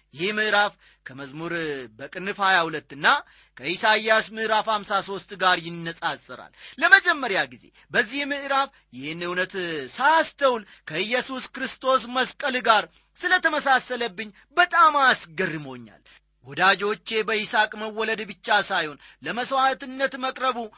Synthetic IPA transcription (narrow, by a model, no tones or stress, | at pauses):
jɪhihmɨʔɾaf | kʰəməzmuɾbəkʼɨnːɨfhajahulət̪ːɨnːa | kʰəʔisajasmɨʔɾafamsaso̞st̪ʼɡaɾjɪnːəsʼasʼːɨɾa̰lːəməd͡ʒɛmːəɾjaɡize̞̰ | bəzːihmɨʔɨɾaf | jɪhnːɨhwnət̪sast̪ʰəwl | kʰəjːɛsuskɨɾɨst̪ʰo̞sməskʼəlɡaɾ | sɨlət̪ʰəməsasələbːɨɲː | bət̪ʼamasɡərːɨmo̞ɲːa̰l | wɔd̪ad͡ʒo̞t͡ʃːe̞bəisakʼməwːɔləd̪bɨt͡ʃːasajho̞n | ləməswat̪ɨnːət̪məkʼɾəβu